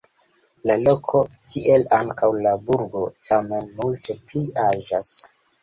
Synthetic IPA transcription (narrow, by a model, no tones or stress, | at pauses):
lalo̞kʰo̞tʰiʔe̞laŋkʰawlabuɾɡo̞tʰame̞nmulte̞pliaʒas